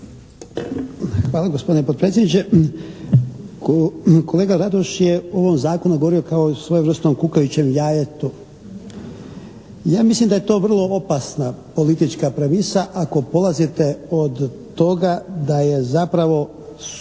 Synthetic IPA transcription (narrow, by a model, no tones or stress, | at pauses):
xʋaːlˠaɡospod̪inepod̪̚pɾet̪sʲjd̪nit͡ɕe | kole̞ːɡaɾad̪oʃjeo̞ʋomzaːko̞nuɡooɾio̞kaosʋojeʋr̩st̪omkukajut͡ɕemjaːjet̪u | jaːmislimd̪aje̞t̪o̞ːʋr̩lˠo̞opasnapo̞lit̪it͡ʃkapɾaʋisaʔako̞po̞lˠazit̪eod̪ | t̪o̞ɡad̪aje̞zapɾaʋo̞